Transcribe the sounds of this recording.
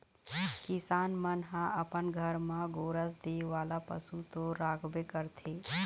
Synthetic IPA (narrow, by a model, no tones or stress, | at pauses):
kɪsaːnmənɦãəpənɡʱəɾmãɡoːɾəsd̪eːʋaːlapə̰sut̪oɾaːɡʰbekəɾt̪ʰeː